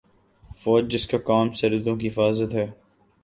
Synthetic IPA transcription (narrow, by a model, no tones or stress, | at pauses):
fɔːd͡ʒd͡ʒɪskakaːmsɐɾd̪õkiɦɪfaːzət̪ɦɛː